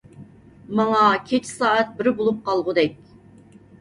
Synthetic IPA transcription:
mɑŋɑkʲʰet͡ʃʰi̥sɑːɛt̪̚bɪɾbolˠup̚qɑlˠʁʊd̪ɛkʲ

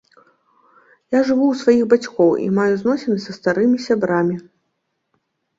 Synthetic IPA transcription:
jaʐɨvuwsvajixbat͡sʲkɔwḭmajuznɔsʲɛnɨsɐst̪aɾɨmʲisʲabɾamʲi

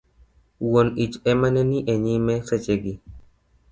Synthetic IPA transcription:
wonit͡ʃɛmanɛniʔɛɲimɛsɛt͡ʃeɡi

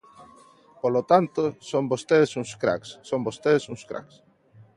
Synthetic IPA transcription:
polot̪ant̪osombost̪eðesũŋskɾa̰ksːõŋbost̪eðesuŋskɾa̰ks

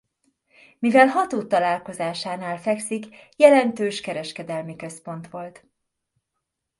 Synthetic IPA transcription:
mivɛlɦɒt̪oːt̪ːɒlaːlko̞zaːʃaːnaːlfɛksikjɛlɛnt̪øːʃkɛɾɛʃkɛd̪ɛlmikø̞spo̞n̪t̪ʋo̞lt̪

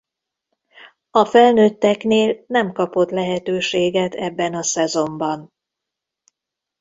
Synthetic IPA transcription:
ɒfɛlnøːt̪ːɛkneːlnɛmkɒpo̞t̪lɛɦɛt̪øːʃeːɡɛt̪ʰɛbːɛnɒsɛzo̞mbɒn

